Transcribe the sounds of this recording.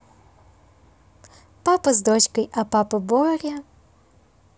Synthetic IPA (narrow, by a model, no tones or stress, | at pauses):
papɐzd̪ɔt͡ɕkɐjɐpapɐbɔɾʲɐ